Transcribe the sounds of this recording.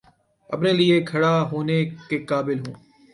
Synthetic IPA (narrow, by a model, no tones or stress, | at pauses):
ə̰pneːlieːkʰəɽaːɦoːneːkeːkaːbɪlɦũː